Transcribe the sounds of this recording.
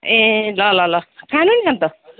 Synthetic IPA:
ẽlʌlʌlʌkʰanunisʌnt̪ʌ

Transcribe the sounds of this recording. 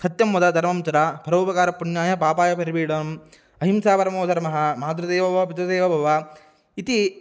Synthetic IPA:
sɐt̪jɐmːud̪ɐd̪ʱɐɾmɐmsɐɾapɐɾɐʋupɐkaːɾɐpːuɳjaːjɐpaːpaːjɐpɐɾibiːɽɐm | ɐɦimsaːpɐɾɐmoːd̪ʱɐɾɐmɐɦɐ̆mɐːt̪ɾɐd̪eːʋɐbʱɐɐpit̪ɾɐd̪eːʋɐbʱɐʋɐ | it̪i

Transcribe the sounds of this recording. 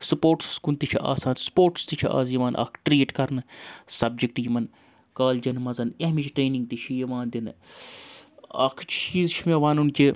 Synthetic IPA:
supoːɾʈskunt̪it͡ʃʰiʔa̰ːsaːnspoːɾʈst̪it͡ʃʰia̰ːzjiʋaːnʔɐ̰kʰʈɾiːʈkɐɾnɨsɐb̚d͡ʒik̚ʈjimɐn | kaːld͡ʒɐnmɐzɐnɐɦmit͡ʃʰʈɾeːnĩŋɡ̚t̪it͡ʃʰijiʋaːnd̪ʲinɨ | ɐ̰kʰt͡ʃʰt͡ʃiːzt͡ʃʰimeʋaːnunkʲi

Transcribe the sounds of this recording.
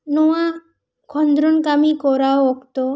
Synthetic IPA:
nɔwa | kʰɔnd̪ɾɔnkamikɔɾaoɔkt̪ɔ

